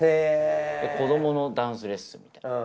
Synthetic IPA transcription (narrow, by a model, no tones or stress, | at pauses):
ed̪eko̞d̪o̞mo̞no̞d̪ãɰ̃sɨɾe̞sɨmʲi̥t̪a